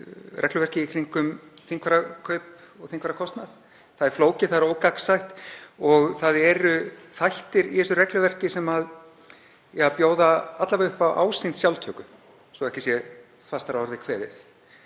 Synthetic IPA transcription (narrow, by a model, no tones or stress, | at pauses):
rɛklʏvɛr̥cɪikʰɾiŋkʏmθiŋkʰvaɾakʰœɥp | ɔɣθiŋkvaɾakʰɔst̪naθ | θaðɛɾ̥floːwcɪθaðɾoːwkaksajht̪ɔɣθaðɛɾʏθajht̪ɪɾiɛsʏrɛklʏvɛr̥cɪsɛmað | japjoːwðaat̪lavʏhpawʔa̰ːwsɪnt̪sjawlt̪ʰœːkʏ | sɔɛhcɪsjɛ | fast̪aɾaɔɾðɪkʰvɛːðɪ̰θ